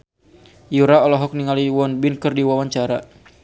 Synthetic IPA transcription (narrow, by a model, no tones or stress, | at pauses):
juɾaɔlɔɦɔk̚niŋaliwɔnbɪnkɨrdiwawaɲt͡ʃaɾa